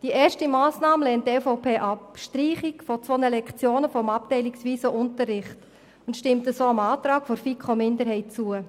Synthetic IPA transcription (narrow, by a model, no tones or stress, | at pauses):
d̥iʔɛːʃtimɑːsnɑːməlɛːnttɛfoʊpʰeːʔɑpʃtɾiːχikfɔt͡sʋonəlɛkt͡sjoːnəfɔmɑp̚tɛɪliksʋiːsoʔʊntərːɪχt | ʊntʃtɪmtəsoːɑmɑːtɾɑːkfoɾfikχomɪndəɾɦɛɪt̚t͡suə